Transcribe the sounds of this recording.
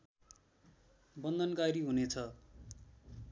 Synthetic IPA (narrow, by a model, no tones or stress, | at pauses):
bʌnd̪ʱʌnkaɾiɦunet͡sʰʌ